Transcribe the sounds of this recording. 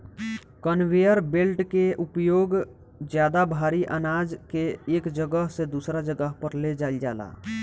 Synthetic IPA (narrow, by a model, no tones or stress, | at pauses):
kənwejəɾbelʈkeʔʊpjoːɡ | d͡ʒjaːd̪abʱaːɾiʔə̰naːd͡ʒkeeːkd͡ʒəɡəɦsed̪uːsɾad͡ʒəɡəɦpəɾled͡ʒaːld͡ʒa̰ːla̰ː